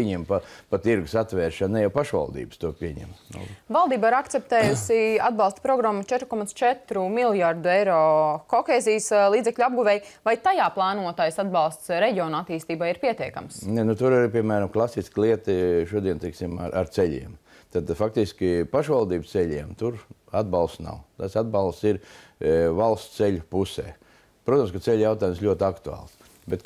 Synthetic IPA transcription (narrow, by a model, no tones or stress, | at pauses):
ɲɛmpapat̪iɾɡʊsat̪ʋɛːɾʃannɛjawpaʃʋa̰lˠd̪ḭːbə̥st̪uɔpʲiɛɲɛ̰mnṵvalˠd̪iːbaiɾakt̪sɛp̚t̪ɛːjusiad̪̚bɑlˠst̪spɾɔɡɾamːut͡ʃɛt̪ɾukɔmat̪st͡ʃɛt̪ɾumilˠjaɾd̪uɛjɾoːkɔxeːzijslˠiːd̪zɛkʎʲuab̚ɡuvɛjvajt̪ajaːplˠaːnuɔt̪ajsad̪bɑlˠst̪sɾɛɟʲiɔːnuat̪iːst̪iːbajiɾpiɛt̪iɛka̰msnɛnut̪uɾaɾipʲiɛmæːɾamklˠasisklˠiɛt̪iʃuɔd̪iɛnt̪ɛksima̰ɾa̰ɾt̪sɛʎʲḭɛm | t̪aːt̪ad̪fak̚t̪iskʲipaʃʋalˠd̪iːbst̪sɛʎʲiɛmt̪uɾ | ad̪balˠst̪na̰wt̪asad̪̚balˠst̪siɾ | valˠst̪selʲpusɛ̰ː | pɾuɔt̪ɐmskat̪sɛlʲjaʊt̪aːjumslʎʲuɔt̪ʲakt̪ua̰ːlˠs | bɛt̪